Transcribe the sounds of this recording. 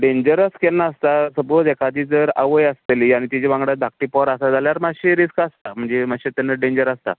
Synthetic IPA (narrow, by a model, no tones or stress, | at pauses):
ɖẽɲd͡ʑəɾəskelnːaːst̪asəbod͡zekʰad̪iːd͡zəɾa̰ʋəjəst̪eliaɽ̃it̪id͡ʑeʋãŋɡɽad̪ak̚ʈipɔɾasad͡zʱaljaɾmaɕiɾiskast̪am̤əɳd͡zem̤aɕit̪anːaɖẽɲd͡ʑəɾəst̪a̰